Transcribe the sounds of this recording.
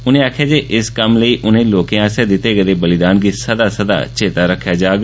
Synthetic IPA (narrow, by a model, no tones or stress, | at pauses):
ʊnẽːaːkʰːjaːd͡ʒeːʔɪskəmləiːʔʊnẽːloːkẽãːsɛːd̪ɪt̪ːeːɡəd̪eːbəlɪd̪aːnɡiːsəd̪aːsəd̪a̰ːt͡ʃeːt̪aːɾəkʰːjaːd͡ʒaːɡ